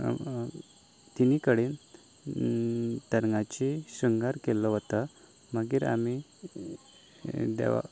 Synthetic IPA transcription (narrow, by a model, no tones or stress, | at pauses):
t̪inikəɽin | t̪əɾŋat͡ɕiɕəŋɡaɾkelɔɦɔt̪a | məɡiːɾa̰mi | d̪ḛʋa̰